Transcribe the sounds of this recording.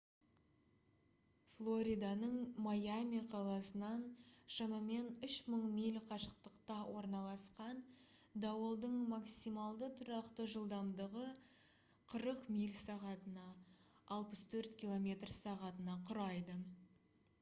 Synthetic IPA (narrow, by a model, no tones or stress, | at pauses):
flˠo̞ɾʲid̪anəɴmajamʲiqʰɑlˠɑsənɑnʃɑmɑme̞nʏʃməɴmijlʲqʰɑʃəqt̪əqt̪ɑwo̞ɾnɑlˠɑsqɑn | d̪ɑwəlˠd̪əɴmaksijmɑlˠd̪ət̪ʰʊɾɑqt̪əʒəlˠd̪ɑmd̪əʁə | qʰəɾəqmijlʲsɑʁɑt̪ənɑː | lˠpəst̪ʰɵɾt̪kʲilˠo̞mʲe̞t̪rsɑʁɑt̪ənɑqʰʊɾɑjd̪ə